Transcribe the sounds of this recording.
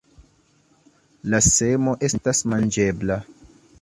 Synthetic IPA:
lase̞mo̞ʔe̞stasmand͡ʒe̞bla

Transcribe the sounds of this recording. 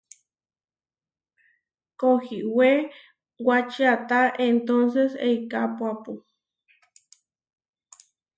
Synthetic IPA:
kohiwe | wat͡ʃiat̪aʔent̪onseseikapwapu

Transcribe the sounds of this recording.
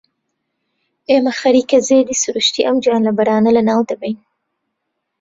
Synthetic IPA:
emaxaɾikazed̪isuɾuʃt̪iʔamd͡ʒɑːnlabaɽɑːnalanɑwd̪abajn

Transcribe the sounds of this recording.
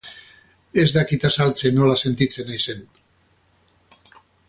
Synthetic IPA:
e̞zd̪akit̪asalt͡se̞no̞lase̞nt̪it͡se̞najse̞n

